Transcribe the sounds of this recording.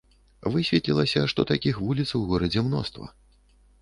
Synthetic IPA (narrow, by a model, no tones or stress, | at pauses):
vɨsʲvʲɛt̪lʲilˠɐsʲɐʂt̪ɔt̪akʲixvulʲit̪swɣɔɾɐd͡zʲɛmnɔ̰st̪vɐ̰